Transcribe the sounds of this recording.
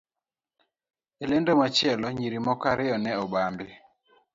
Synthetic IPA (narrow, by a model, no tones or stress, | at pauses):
elendomat͡ʃɛlɔɲiɾimɔkaɾɪɔnɛɔbambɪ